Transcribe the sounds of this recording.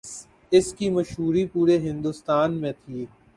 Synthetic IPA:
ɪskimɐʃɦuːɾipuːɾeɦɪ̃nd̪ʊst̪aːnmẽt̪ʰiː

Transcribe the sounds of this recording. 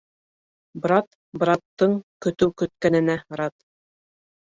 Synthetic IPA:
bɾɑt̪ | bɾɑt̪ːɤɴkɵ̆t̪ɘwkɵ̆t̪̚kænɘ̆næɾɑt̪

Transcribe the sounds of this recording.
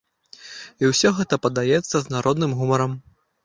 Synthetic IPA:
iwsʲɔɣɛt̪ɐpɐd̪ajɛt̪sːɐznaɾɔd̪nɨmɣumɐɾɐm

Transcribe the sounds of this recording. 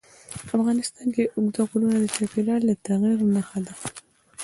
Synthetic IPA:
afɣɑnɪst̪ɑnkeʔʊɡd̪aɣulunad̪ət͡ʃɑpelɑɾlat̪aɣiɾnaxad̪a

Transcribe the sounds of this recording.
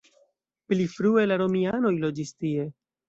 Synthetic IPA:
plifɾue̞laɾo̞miano̞jlo̞d͡ʒistie̞

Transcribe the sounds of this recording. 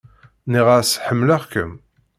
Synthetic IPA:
niʁasħəmːləʁkəm

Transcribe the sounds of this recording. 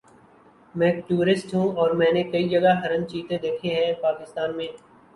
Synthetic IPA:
mɛ̃ːʈuːɾɪsʈɦũɔːɾmɛ̃ːnekɐid͡ʒɐɡaɦɐɾə̃nt͡ʃiːt̪ed̪eːkʰeɦɛ̃ːpaːkɪst̪aːnmẽː

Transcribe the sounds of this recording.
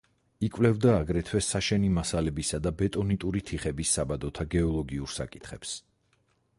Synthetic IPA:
ikʼvlɛvd̪aːɡɾɛt̪ʰwɛsaʃɛnimasalɛbisad̪abɛt̪ʼɔnit̪ʼuɾit̪ʰiχɛbisːabad̪ɔt̪ʰaɡɛɔlˠɔɡiuɾsa̰kʼit̪ʰχɛps

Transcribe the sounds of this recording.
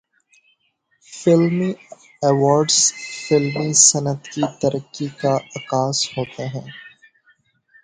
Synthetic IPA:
fɪlmi | ɛʋɔːɾɖzfɪlmisɐnət̪kit̪ɐɾʔəkːikaʔɐkaːshoːt̪eɦɛ̃ː

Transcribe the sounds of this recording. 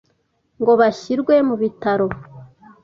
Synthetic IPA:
ŋɡo̞βaçiɾɡwe̞muβitaɾo̞

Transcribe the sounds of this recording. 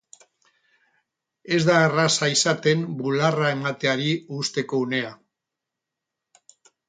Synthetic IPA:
e̞zd̪aerasaisat̪e̞mbularae̞mat̪eaɾiust̪e̞ko̞une̞a

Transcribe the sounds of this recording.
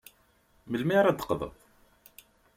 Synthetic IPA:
məlmɪɾæd̪ə̥qðˤə̰ðˤ

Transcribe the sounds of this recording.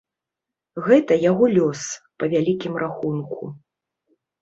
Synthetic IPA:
ɣɛt̪ɐjaɣɔlʲɔspɐvʲalʲikʲimrʔaxunkʰṵ

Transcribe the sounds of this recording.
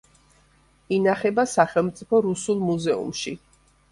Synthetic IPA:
inaχɛbasaχɛlˠmt̪sʼipʰɔɾusulˠmuzɛṵmʃi

